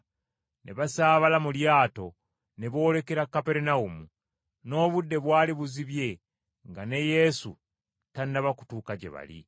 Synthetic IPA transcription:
nʔeβasaːβalamuljaːto̞ | neβo̞ːle̞keɾakːapeɾenaumu | no̞ːβudːe̞βwaːliβuziβje̞ | ŋɡane̞je̞sṵ | tandaβaku̥tuːkaɟḛβa̰lḭ

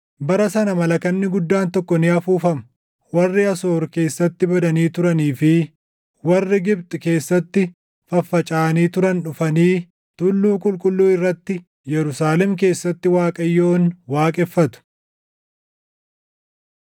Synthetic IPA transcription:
bɐɾɐsɐnɐmɐlɐkɐnːɪɡʊd̪ːaːnt̪ɔkːɔnɪɐfuːfɐm | wɐrːɪɐso̞ːɾke̞ːsːɐt̪ːɪbɐd̪ɐniːt̪ʊɾɐniːfɪ | wɐrːɪɡɪbt̪ʼɪke̞ːsːɐt̪ːɪ | fɐfːɐt͡ʃʼaːniːt̪ʊɾɐnᶑʊfɐniː | t̪ʊlːuːkʼʊlkʼʊlːuːɪrːɐt̪ːɪ | jɛɾʊsaːlɛmk̬e̞ːsːɐt̪ːɪwaːkʼɐjːoːnwaːkʼɛfːɐt̪ʊ̥

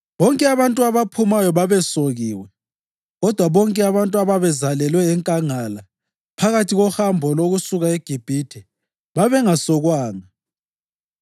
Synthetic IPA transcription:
βɔŋkʼɛaβantʼuaβapʰumajɔβaβɛsoɣiːwɛ | ɣɔd̥ʱwaβɔŋkʼɛaβantʼuaβaβɛzalɛlwɛːŋkʼaŋala | pʰaɣatʰiɣɔhambʱɔloɣusuɣaeɡ̥ʱib̥ʱitʰɛ | βaβɛŋasɔɣwaːŋa

